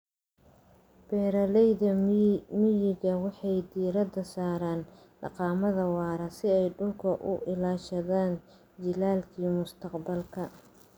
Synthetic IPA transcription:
b̥ɛːɾɐlɛjðɐmɪjɪɣɐwɑħɑjd̪iːɾɐd̪ɐsaːɾaːn | ɖɑ̰qɑːmɐðɐwɑːɾɐsɪɛjɖʊlkʰɐʔʊ̰ʔɪlaːʃɐðaːn | d͡ʒɪlaːlkʰiːmʊst̪ʰɐqbɐlkʰɐ

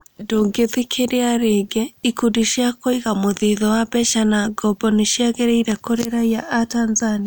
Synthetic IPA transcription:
doːŋɡeðikʰeɾeaɾeɡɛikudiʃjakoiɣamoðiðɔwabɛʃanaɡɔbɔneʃjaɣɛɾeiɾɛkoɾeɾaiaʔatanzania

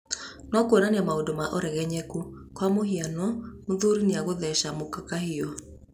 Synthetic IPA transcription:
nwakwonaneamaodomaʔoɾɛɣɛɲɛku | kwamoɦianɔmoðuɾineaɣoðɛʃamokakahiɔ

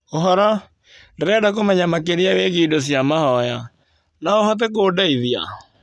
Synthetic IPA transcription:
oɦɔɾa | ndeɾɛdak̬omɛɲamakeɾiaweɣiːdos̬jamahɔja | naoɦɔt̬ekoːdaiðia̰

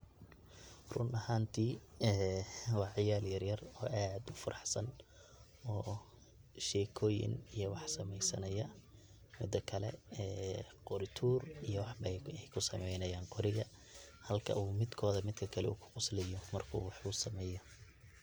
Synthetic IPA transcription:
rʊnɐhaːnt̪ʰiːɛːwɑːʕɪjaːljɐrjɐrɔːʔaːd̪ʊfɐɾɑħsɐn | ɔː | ʃɛːkʰɔːjɪ̰nijɔwɑħsɐmɛjsɐ̰nɐjɐ | mɪd̪ɐkʰɐlɛ̰ɛːqɔɾɪt̪ʰuːrijɔwɑħbɐɛjkʰʊsɐmɛjnɐjaːŋqʰɔɾɪɣɐhɐlkʰɐ̰uːmɪd̪kʰɔːðɐmɪd̪kʰɐkʰɐlɛ̰uːkʰʊ̥qʊslɛjɔmɐrkʰṵːwɑħʊsɐmɛːjɔ

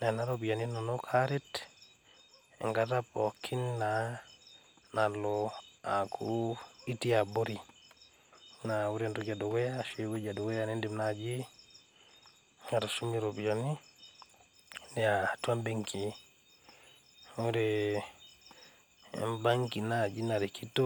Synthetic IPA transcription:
nanaɾobijaninonokʰaɾet | ḛŋɡatapokʰːinːa | naloakʰuitiaboɾi | nawuɾentuɟadoɡejaʃeweɟadoɡejanendimnad͡ʒi | ŋatasumiɾobijoni | ndɛatuambiŋkʰi | wuɾɛ | mbaŋkinad͡ʒinaɾikitːɔ

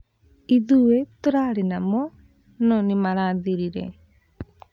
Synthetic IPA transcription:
iðuwetoɾaɾenamɔ | nɔnimaɾaːðiɾiɾɛ̰

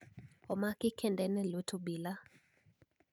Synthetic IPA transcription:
ɔmakɪkʰɛndɛnɛlotʰobila

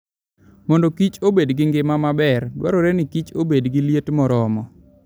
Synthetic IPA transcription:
mɔndɔkit͡ʃobedɡɪŋɡɪmamabɛrdwa̰ɾoɾɛnɪkit͡ʃobedɡiljetmɔɾɔmɔ

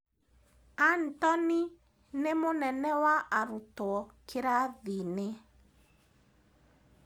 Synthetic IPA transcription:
an̩tɔni | nemonɛnɛwaʔaɾutɔɔkʰɪɾaðine

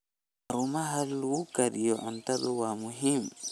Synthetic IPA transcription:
aɾumaɦallwukaɾijɔʔantabuwamuɦim

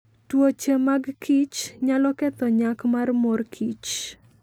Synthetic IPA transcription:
twot͡ʃemaɡkʰit͡ʃɲalɔkɛt̪ɔɲakmarmorkʰit͡ʃ

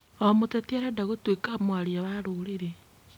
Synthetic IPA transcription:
omotɛtiaɾadaɣotwekamwaɾiawaɾoɾeɾe

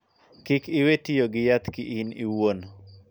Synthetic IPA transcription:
kɪkɪwetijoɡɪjat̪kiʔiniwon

